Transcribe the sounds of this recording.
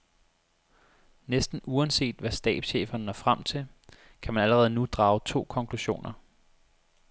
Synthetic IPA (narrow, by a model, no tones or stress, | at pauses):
nesd̥n̩uɛnse̝̰ːd̥ʋæsd̥ɛ̰ːd̥ɕḛːfɐnənɒfʁam̰t͡sʰe̝l | kʰæmænæləʁɛːð̞̩ˠnud̥ʁɑ̈ːʊt͡sʰo̝̰ːkʰɒ̽ŋkʰluɕo̝̰ːnɐ